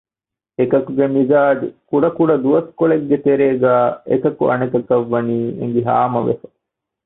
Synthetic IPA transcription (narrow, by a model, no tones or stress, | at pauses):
ekɐkuɡemizaːɖikuɖɐkuɖɐd̪uʋɐskoɭeɡːet̪eɾeːɡæːekɐkṵɐ̰nekɐkɐʋːɐniːḛŋ̆ɡiɦa̰ːmɐʋḛfɐ̥